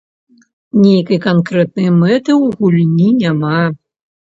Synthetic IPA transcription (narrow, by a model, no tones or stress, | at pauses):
nʲejkɐjkankɾɛt̪̚nɐjmɛt̪ɨwɣulʲnʲinʲama